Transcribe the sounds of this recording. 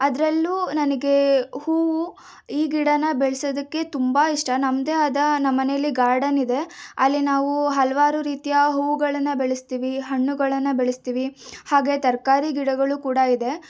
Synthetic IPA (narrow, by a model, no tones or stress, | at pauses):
ɐd̪ɐɾɐlːuːnɐnɐɡe̞huːʋu | iːɡiɽɐnɐbeɭsod̪ɐkːe̞t̪umbaːiʂʈɐnɐmd̪eɐd̪ɐnɐmːɐnejɐlːiɡaːɾɖɐnid̪e̞ɐlːinaːʋuɦɐlɐʋaːɾuɾiːt̪ijɐɦuːʋuɡɐɭɐnːɐbeɭest̪iːʋiɦɐɳːuɡɐɭɐnːɐbeɭest̪iːʋihaːɡe̞t̪ɐɾkaːɾiɡiɽɐɡɐɭukuːɽɐid̪e̞